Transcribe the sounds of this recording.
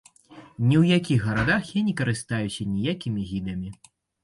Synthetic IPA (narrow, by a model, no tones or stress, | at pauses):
nʲɛwjakʲixɣɐɾad̪axjanʲɛkɐɾɨst̪ajusʲɐnʲɛjakʲimʲiɣʲid̪ɐmʲi